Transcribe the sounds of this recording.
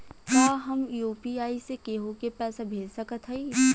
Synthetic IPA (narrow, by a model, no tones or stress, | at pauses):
kjaːɦɐmjuːpiaːisekeɦokepɛːsabʱeːlsəkət̪ɦɛiː